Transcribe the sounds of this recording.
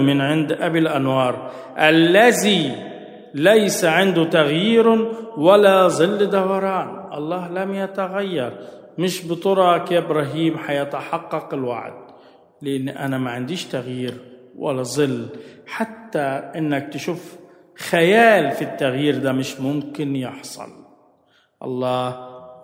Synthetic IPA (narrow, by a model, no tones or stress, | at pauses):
mɪnʕɪnd̪ʔabɪlʔanwɑːɾˤ | ʔalːazi | lajsaʕɪnd̪ʊt̪aɣjiːɾwalːazˤɨlːd̪awɑɾˤɑːnʔɑ̰lˤːɑːhlamjat̪aɣajːɑɾˤ | mɪʃbɨt̪ˤʊɾˤɑkebɾˤɑɦiːmħajat̪aħɑqːɑqɪlwa̰ʕd̪̚ | lɪʔɪnːʔa̰namaʕɪnd̪iːʃt̪aɣjiːɾ | wa̰lːazˤɨlːħat̪ːaʔɪnːak̚t̪ɪʃuːf | xajaːlfit̪ːaɣjiːɾd̪amɪʃmʊmkɪnjɪħsˤɑ̰l | ʔɑ̰lˤːɑːh